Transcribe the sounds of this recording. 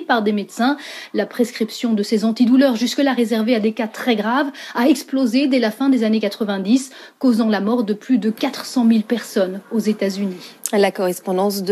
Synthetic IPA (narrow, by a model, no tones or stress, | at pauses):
paʁd̪emed̪sɛ̃lapχeskχipsjɔ̃d̪əsezɑ̃t̪id̪ulœʁʒyskəlaʁezɛʁvead̪ekat̪χɛɡʁavaɛksplozed̪ɛlafɛ̃d̪ezanekat̪χəvɛ̃d̪is | kozɑ̃lamɔʁd̪əplyd̪əkat̪χəsɑ̃milpɛʁsɔnozet̪azynilakɔʁɛspɔ̃d̪ɑ̃sd̪